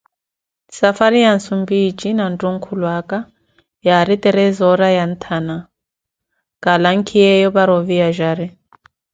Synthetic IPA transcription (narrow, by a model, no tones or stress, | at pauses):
safaɾijansumbit͡ʃinantuŋ̩kʰulwaka | jaɾit̪ɛɾɛzɔɾajan̩t̪ʰana | kʼalaŋkʰiɛjɔβaɾɔvijaʒaɾɛ